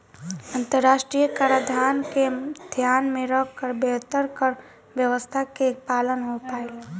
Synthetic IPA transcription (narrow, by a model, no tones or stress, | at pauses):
ə̃nt̪əɾːaːʃʈɾijəkəɾəd̪ʱaːnked̪ʱjaːnmẽɾəkkːəɾbeːɦt̪əɾkəɾ | ʋjəʋəst̪ʰakepaːlənɦopaːe